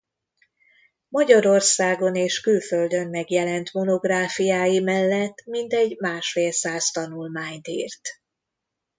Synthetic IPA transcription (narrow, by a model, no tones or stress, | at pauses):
mɒɟɒɾo̞rsaːɡo̞neːʃkylføld̪ø̞mmɛɡjɛlɛnt̪mo̞no̞ɡraːfijaːjimɛlːɛt̪ːmint̪ɛɟmaːʃfeːlsaːst̪ɒnulmaːɲt̪ḭːrt̪